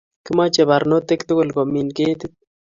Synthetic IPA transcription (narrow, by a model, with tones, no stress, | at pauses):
kɪ˦ma˦t͡ʃe˨ba˨ɾno˦t̪e˦kt̪ʊ˦kʊ˦˨lko˨mi˨nke˦t̪ɪ˦t̪̚